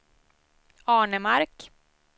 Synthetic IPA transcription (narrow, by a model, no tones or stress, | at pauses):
ɑːɳəmaɾk